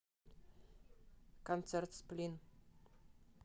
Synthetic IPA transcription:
kɔnt̪sɛrt̪splin

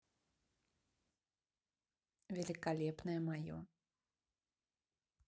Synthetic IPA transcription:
vʲɛlʲikalʲɛpnɐjɛmajɔ̰

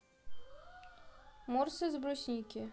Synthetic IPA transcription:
mɔrsɛzbɾɔsʲnʲikʲɪ

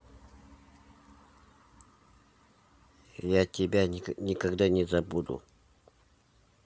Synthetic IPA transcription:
jatʲɪbʲanʲikaɡd̪anʲɪzabud̪ṵ

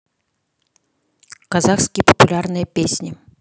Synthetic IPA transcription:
kɐzaxskʲɪjəpə̥pʊlʲarnɨjəpʲesʲnʲɪ

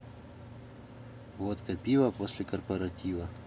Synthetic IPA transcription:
vot̪kɐpʲivɐposʲlʲɪkɐrpɐɾɐtʲivɐ

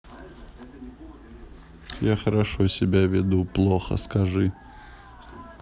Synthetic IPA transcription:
jaxəɾɐʂosʲɪbʲavʲɪd̪uplˠoxə̰skɐʐɨ

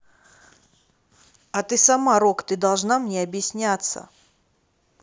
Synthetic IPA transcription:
ɐt̪ɨsamaɾokt̪ɨd̪ɐlˠʐnamnʲeɐbjɪsʲnʲat̪sːə̰

